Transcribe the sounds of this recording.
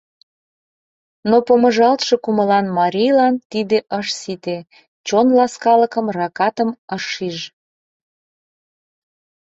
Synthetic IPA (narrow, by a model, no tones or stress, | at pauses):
nopəməʒɑlt̪ʃokuməlɑnmɑɾʲijlɑnt̪id̪eʔəʃsit̪e | t͡ɕonlɑskɑləkəmrɑkɑt̪əməʃiʒ